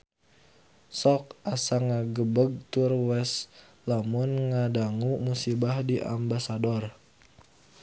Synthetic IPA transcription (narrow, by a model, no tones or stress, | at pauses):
sɔk̚asaŋaɡəbəɡ̚t̪urwɛs | lamʊnŋadaŋumusibahdiʔa̰mbasadɔr